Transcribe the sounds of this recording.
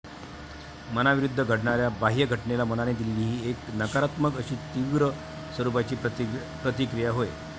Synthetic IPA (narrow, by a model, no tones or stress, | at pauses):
mənaʋiɾud̪ʱːəɡʱəɽɳaɾjabaɦijəɡʱəʈɳelamənaned̪ililiːɦiːeknəkaɾat̪məkəɕiːt̪iʋɾə | səɾupat͡ɕiː | pɾət̪ikɾijaɦoe